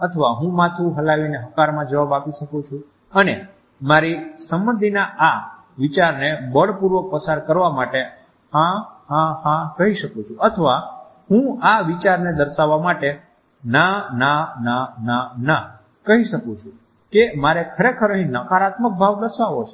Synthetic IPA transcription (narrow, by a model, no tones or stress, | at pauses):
ət̪ʰəʋaɦũmat̪ʰuɦəlaʋineɦəkaɾmãd͡ʒəʋabapiʃəkũt͡ʃʰũ | əne | maɾisəmbənd̪ʱinaʔa | ʋit͡ʃaɾnebəɭpuɾʋək̚pəsaɾkəɾʋamaʈe | hãhãhãkəɦiʃəkũt͡ʃʰũʔət̪ʰəʋa | ɦũaʋit͡ʃaɾned̪əɾʃaʋːamaʈe | nanananana | kəɦiʃəkũt͡ʃʰũ | kemaɾekʰəɾekʰəɾəɦĩnəkaɾat̪mək̚bʱaʋd̪əɾʃaʋot͡ʃʰe